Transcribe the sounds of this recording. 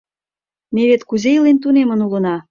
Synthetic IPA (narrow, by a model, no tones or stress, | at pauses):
meβet̪kuzʲejlent̪unemə̆nulɤ̆nɑ